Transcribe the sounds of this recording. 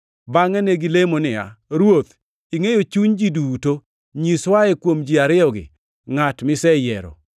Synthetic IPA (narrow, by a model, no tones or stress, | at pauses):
baŋɛneɡilemonɪa̰ɾwot̪ | iŋejot͡ʃuɲd͡ʒiduto | ɲiswaɛkwomd͡ʒiaɾɪɔɡɪ̰ | ŋatmɪsɛjɛɾɔ̰